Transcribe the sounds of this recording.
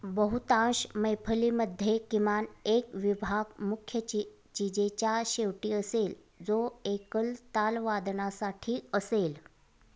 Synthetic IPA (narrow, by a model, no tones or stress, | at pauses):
bəɦut̪ãɕməjpʰəliməd̪ʱːjekimanekʋibʱaɡmukʰjə | t͡ɕid͡ʑet͡ɕjaɕeʋʈiːəsel | d͡zoekəlt̪alʋad̪ɳasaʈʰiːəsel